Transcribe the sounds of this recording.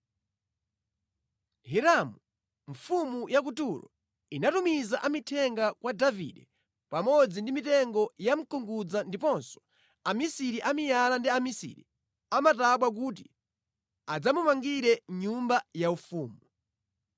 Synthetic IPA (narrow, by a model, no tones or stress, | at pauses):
ɦɛɾamu | ɱfumujak̬utulɔ̰ | inatumizaʔamitʰɛŋɡakwadavḭɗɛ | pamɔd͡zindimitɛŋɡɔjam̩kɔŋɡud͡zandipɔnsɔ̥ | amisiɾiʔamijalandiamisḭɾḭ | amataɓwak̬ut̬i | ad͡zamumaŋɡiɾɛɲumbajaufuːmu